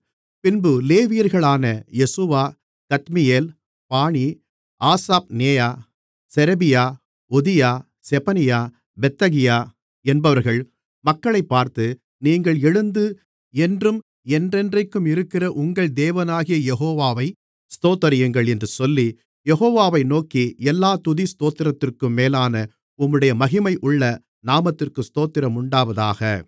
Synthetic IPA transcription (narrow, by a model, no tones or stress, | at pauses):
pɪnbɯleːʋɪjɐɾɣɐɭaːnɐjɛsɯʋaː | kɐt̪mɪjeːl | paːɳi | ʔaːsaːp̚neːjaː | sɛɾɐbɪjaː | ɔðɪjaː | sɛpɐnɪjaː | bɛt̪ːɐɣɪjaː | ɛnbɐʋɐɾɣɐɭ | mɐkːɐɭɐɪpːaːɾt̪ɯ | niːŋɡɐɭɛɻɯnd̪ɯ | ɛndrɯm | ɛndrɛndrɐɪkːɯmɪɾɯkːɪrɐʔʊŋɡɐɭd̪eːʋɐnaːɣɪjɐjɛɦoːʋaːʋɐɪ | st̪oːt̪ːɐɾɪjɯŋɡɐɭɛndrɯsɔlːi | jɛɣoːʋaːʋɐɪnoːkiɛlːaːt̪ʊðist̪oːt̪ːɪɾɐt̪ːɪrkɯmːeːlaːnɐ | ʊmːɯɽɐjɐmɐɣɪmɐɪʔʊɭːɐ | naːmɐt̪ːɪrkɯst̪oːt̪ːɪɾɐmʊɳɖaːʋɐðaːɣɐ